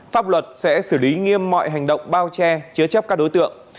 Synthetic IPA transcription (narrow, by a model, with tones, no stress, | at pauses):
faː˦˥p̚lwə˨˩t̚sɛ̰˧˥sɨː˧˩li˨˦ŋi˧əmːɔ̰˧˨jɦa˨˩jŋɗə̰˧˨wŋ͡mɓaː˧wt͡ɕɛ˧t͡ɕɨ˨˦ət͡ɕə˦˥p̚kaː˦˥k̚ɗo˨˦jt̪ɨ̰˧˨əŋ